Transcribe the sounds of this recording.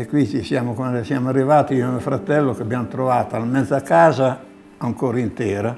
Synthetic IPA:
ekwit͡ʃisjaːmokwand̪sjaːmoarːivaːt̪iimofɾat̪ɛlːokeabjamot̪ɾovaːt̪alamɛd̪zːakaːza | aŋkoːɾaint̪ɛːɾa

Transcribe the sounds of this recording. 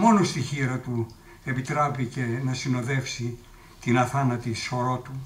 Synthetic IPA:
mo̞nost̪içiɾɐt̪u | e̞pit̪ɾɐpicenɐsino̞ðe̞fsi | t̪inɐθɐnɐt̪iso̞ɾo̞t̪u

